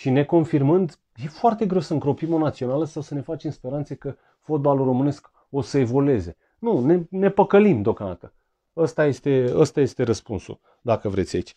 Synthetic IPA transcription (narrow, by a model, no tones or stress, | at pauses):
ʃine̞ko̞nfirmɨnd̪ | je̞foart̪e̞ɡɾe̞wsəɨŋkɾo̞pimo̞nat̪sio̞naləsawsəne̞fat͡ʃemspe̞ɾant̪sekə | fo̞t̪̚baluro̞mɨne̞sk | osəe̞vo̞le̞ze̞ | nune̞ne̞pəkəlimd̪eo̞kand̪at̪ə | əst̪aje̞st̪e̞əst̪aje̞st̪e̞ɾəspunsṵ | d̪akəvɾe̞t̪sʲa̰it͡ʃʲ